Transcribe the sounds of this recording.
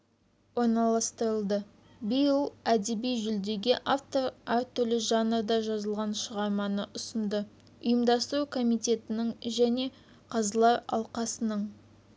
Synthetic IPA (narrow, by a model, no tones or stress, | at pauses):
wo̞ɾnɑlˠɑst̪əɾəlˠd̪ə | bəjəlˠæd̪ebijʒʏld̪e̞ɡʲɪʔaft̪o̞ɾæɾt̪ʰʏɾlɪʒɑnəɾd̪ɑʒɑzəlˠʁɑnʃəʁɑɾmɑnəʔʊsənd̪ə | ʊjəmd̪ɑst̪əɾukʰo̞mijt̪e̞t̪ɪnɪŋʒæne̞ | qʰɑzəlˠɑɾɑ̰lˠqɑsənəɴ